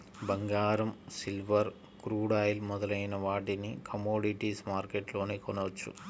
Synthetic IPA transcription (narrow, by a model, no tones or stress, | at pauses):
bɐŋɡaːɾɐmsilʋɐɾ | kɾuːɽaːjlmɔd̪ɐlɐjnɐʋaːʈinikʰɐmoːɖiʈiːsmaːɾkeʈlo̞ːniːkɔnɐʋɐt͡ʃːṵ